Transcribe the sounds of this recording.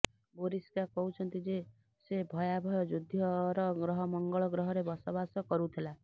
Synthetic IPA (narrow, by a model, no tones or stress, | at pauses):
boɾiskakɔɦut͡ʃʰɔnt̪id͡ʒe | sebʱɔjabʱɔjɔd͡ʒud̪ʱjɔɾɔɡɾɔɦɔmɔŋɡɔɭɔɡɾɔɦɔɾebɔsɔbasɔkɔɾut̪ʰela